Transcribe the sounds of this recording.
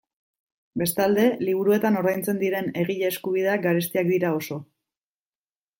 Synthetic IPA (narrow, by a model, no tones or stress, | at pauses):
be̞st̪ald̪e̞liβ̞uɾue̞t̪ano̞ɾðajnt͡se̞nd̪iɾe̞ne̞ɣiʎeːskuβ̞ið̞e̞aɡaɾest̪iakd̪iɾao̞so̞